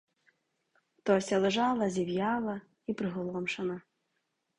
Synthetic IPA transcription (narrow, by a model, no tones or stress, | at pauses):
t̪ɔsʲɐlˠɨʐalˠɐzʲiwjalˠɐ | ipɾɨɣʊlˠɔmʂɐnɐ